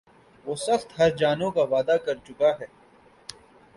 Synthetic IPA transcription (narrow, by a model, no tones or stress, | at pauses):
ʋoːsɐxt̪ɦɐɾd͡ʒaːnõkaʋaːd̪akɐɾt͡ʃʊkaɦɛː